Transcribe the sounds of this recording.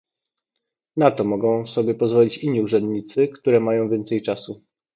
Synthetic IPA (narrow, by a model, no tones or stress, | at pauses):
nat̪ɔmɔɡɔ̃w̃fsɔbʲjɛpɔzvɔlʲit͡ɕiɲːiuʐɛnd̪ɲit̪sɘkt̪uɾɛmajɔ̃w̃vʲjɛnt̪sɛjt͡ʂasu